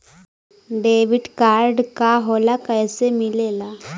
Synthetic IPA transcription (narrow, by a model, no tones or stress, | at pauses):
ɖeʋiɖkaɾɖkaɦolakəjsemilela